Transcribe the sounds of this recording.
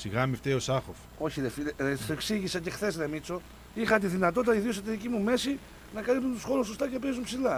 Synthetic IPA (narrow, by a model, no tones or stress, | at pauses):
siɣɐmift̪eosɐxof | o̞çiðefieeksiʝisɐce̞xθe̞zðemit͡so̞ | ixɐt̪iðinɐt̪o̞t̪it̪ɐiðios̬ɐt̪iðicimume̞si | nɐkɐlip̚t̪unt̪usxo̞ɾuso̞st̪ɐce̞pezumpsilɐ